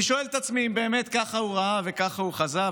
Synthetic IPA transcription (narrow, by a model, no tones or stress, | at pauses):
iʃoelt̪at͡smiimbe̞ːme̞t̪kaχauʁaave̞kaχauχaza